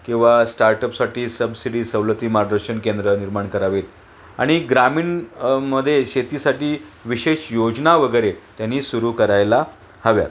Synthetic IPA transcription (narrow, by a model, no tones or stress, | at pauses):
kĩw̃ʋasʈaɾʈəpsaʈiːsəbsiɽiːsəʋlət̪iːmaɾd̪əɾɕəɳkend̪ɾəniɾmaɳkəɾaʋet̪ | a̰ɽ̃iɡɾamiːɳməd̪ʱːjeɕet̪iːsaʈiːʋiɕeɕjod͡ʑnaʋəɡəjɾet̪janːiːsuɾuːkəɾajla | həʋja̰t̪